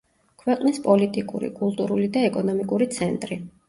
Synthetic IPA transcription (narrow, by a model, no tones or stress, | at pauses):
kʰwɛqʼnispʼɔlit̪ʼikʼṵɾḭkʼulˠt̪ʼuɾulid̪aɛkʼɔnɔmikʼuɾit̪sʰɛnt̪ʼɾi